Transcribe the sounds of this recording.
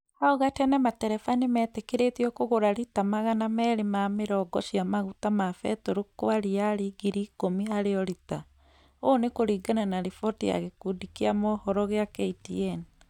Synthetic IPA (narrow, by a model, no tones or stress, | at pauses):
haoɣatɛnɛmatɛɾɛfanemɛːtekeɾetiɔkoɣoɾaɾitamaɣanamɛːɾemameɾɔɡɔʃiamaɣutamafɛtoɾokoaɾiaɾiɡiɾiːkomiaɾeɔɾita | onekoɾiːɡananaɾifɔtia̰ɣekudikiamɔhɔɾɔɣeakɛitiɛn